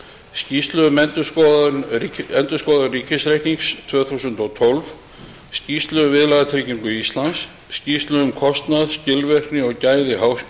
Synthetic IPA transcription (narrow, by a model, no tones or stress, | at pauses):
sciːst̪lœðʏmɛnt̪ʏskɔðʏnɛnt̪ʏskɔːðanriːcɪsɾejh̪niŋst̪ʰvœːθusʏnt̪ɔt̪ʰɔlv | sciːst̪lʏʏvɪðlaðat̪ʰɾɪciŋkʏist̪lansː | ciːst̪lœʏmkʰɔst̪naðscɪlvɛr̥t̪nɪɔɣcaːjðɪhaws